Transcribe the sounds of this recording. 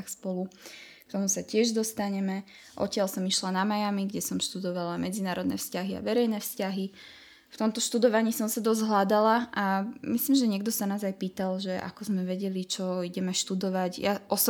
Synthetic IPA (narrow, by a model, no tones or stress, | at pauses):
xspɔlu | k̚t̪ɔmusacɪɛʒd̪ɔst̪aɲɛmɛ | ʔɔ̰cɪalsɔmiʃlanamajamiɡɟɛsɔmʃt̪ud̪ɔʋalamɛd͡zinaːɾɔd̪nɛ̰fscaɦia̰ʋɛɾɛjnɛfscaɦi | ft̪ɔmt̪ɔʃt̪ud̪ɔʋaɲiːsɔmsad̪ɔzɦlad̪alaamisliːmʒɛɲɪɛɡd̪ɔsanaːzajpiːt̪alʒɛʔa̰kɔzmɛʋɛɟɛlit͡ʃɔiɟɛmɛʃt̪ud̪ɔʋaɟjaʔɔsɔ